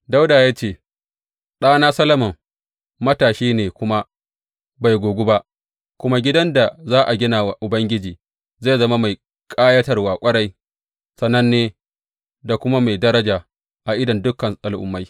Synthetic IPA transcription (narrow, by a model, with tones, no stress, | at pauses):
da˦wdaː˨jaː˦t͡ʃeː˦˨ | ɗaː˦naː˦sɐ˦lɐ˦mɐ˨m | mɐ˦taː˨ʃiː˦neː˨kʷʊ˦ma˦ | ba˨jɡʷoː˨ɡʷʊ˦ba˦ʔ | kʷʊ˦ma˦ɡʲɪ˦dɐ˦nda˨zaː˦ʔa˨ɡʲɪ˦naː˨wa˨ʔʊ˨bɐ˦ŋɡʲɪ˦d͡ʒiː˨ | zaː˦˨zɐ˦ma˦ma˨j | kʼaː˦jɐ˦tɐ˨rwaː˨kʷʼɐ˦ɽa˦j | sɐ˨nːɐ˦nːeː˦ | da˨kʷʊ˦ma˦ma˨jdɐ˦ɾɐ˦d͡ʒaː˨ | ʔa˨ʔɪ˦dɐ˨ndʊ˦kɐ˨nʔa˨lʔʊ˨mːa˦j